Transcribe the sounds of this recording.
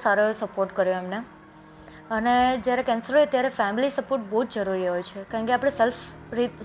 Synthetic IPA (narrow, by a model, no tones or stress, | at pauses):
saɾosəpoɾʈkəɾjõemne | əned͡ʒjaɾekɛ̃nsəɾoet̪jaɾefɛmilisəpoɾʈ̚bəɦud͡ʒd͡ʒəɾuɾiɦojt͡ʃʰekãːŋkeapɽ̃eself | ɾit̪